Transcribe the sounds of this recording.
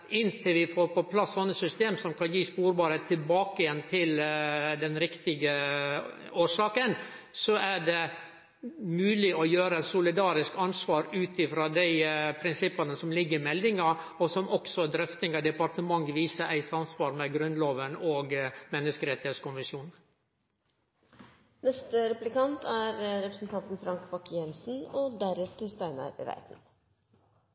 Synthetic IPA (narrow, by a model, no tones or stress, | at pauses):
ʔɪnt̪ʰɪlʋɪfoːɾpɔpʰlɑsːɔnːəsʏst̪eːmsɔmkʰɑnjiːspuːɾbɑːɾət̪ʰɪlbɑːkəjɛnːt̪ʰɪld̪ɛnɾɪkt̪ɪɡə | oːʂɑːkən | sɔʔæɖɛ | mʉːlɪʔɔjøːɾəsʊlɪd̪ɑːɾɪskɑnsʋɑːɾʉːt̪ɪfɾɑːd̪æɪpʰɾɪnsɪpːɑnəsɔmlɪɡːəɾmɛld̪ɪŋɑ | ɔsɔmʔɔksɔd̪ɾœft̪ɪŋɑd̪ɛpɑɾt̪əmɑŋːʋiːsəʔæɪsɑmsʋɑːɾmɛɡɾʉnloːʋənoːɡmɛnːəskəɾɛt̪ɪeːt̪skʊnʋɪsjuːn | nɛst̪əɾɛplɪkɑnt̪ʰæɾɾɛpɾəsn̩t̪ʰɑnt̪n̩fɾɑŋkbɑkjɛnsn̩ɔd̪æɾɛt̪ʰəst̪æɪnɑ̰ɾɾæ̰ɪt̪n